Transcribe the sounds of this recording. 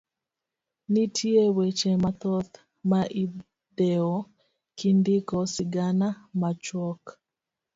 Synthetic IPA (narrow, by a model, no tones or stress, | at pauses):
nitʰiewet͡ʃemat̪ɔt̪ | maʔi | dɛɔ | kindikɔsiɡanamat͡ʃwɔk